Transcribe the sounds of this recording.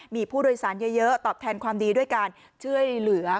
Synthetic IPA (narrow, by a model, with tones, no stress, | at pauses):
miː˧pʰuː˥˩doː˧jsaː˩˦nja˦˥jɤ˦˥t̪ɔː˨˩p̚t̪ʰɛː˧nkwaː˧mdiː˧du˥˩əjkaː˧n | t͡ɕʰu˥˩əjlɯ˩˦ɐ